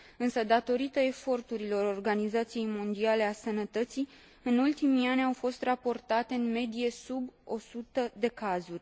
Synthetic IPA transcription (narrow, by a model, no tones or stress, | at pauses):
ɨnsəd̪at̪o̞ɾit̪əe̞fo̞rt̪uɾilo̞ɾo̞rɡanizat̪sije̞jmo̞nd̪iale̞asənət̪ət̪si | ɨnult̪imianʲawfo̞st̪rapo̞rt̪at̪e̞ɨnme̞d̪ije̞subo̞sut̪əd̪e̞kazurʲ